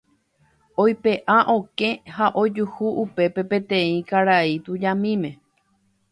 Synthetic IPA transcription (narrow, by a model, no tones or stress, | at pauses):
ojpe̞ʔaʔõ̞kẽ̞haʔo̞d͡ʒuhuʔupe̞pe̞pẽ̞t̪ẽĩkaɾait̪ud͡ʒãmĩmẽ̞